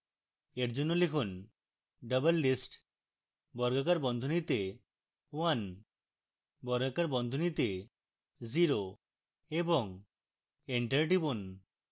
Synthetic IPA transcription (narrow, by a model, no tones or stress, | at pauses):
eɾd͡ʑonːolekʰun | ɖəbəlːisʈ | bɔɾɡakaɾbɔnd̪ʱonit̪e | wan | bɔɾɡakaɾbɔnd̪ʱonit̪e | ziɾo | eboŋ | eɳʈaɾʈ̬ibon